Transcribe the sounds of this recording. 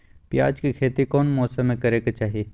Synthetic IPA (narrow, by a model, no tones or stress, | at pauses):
pjaːd͡ʒkikʰeːt̪ikɔːnmɔːsɐmẽkɐɾeːkat͡ʃaːɦieː